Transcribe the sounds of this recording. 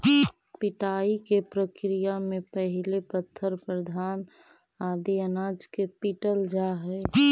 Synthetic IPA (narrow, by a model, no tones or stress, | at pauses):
pɪʈaːikepɾəkɾijamẽpəɦɪlepət̪ʰːəɾpɾəd̪ʱaːn | aːd̪iənaːd͡ʒkepiʈəld͡ʒaɦɛ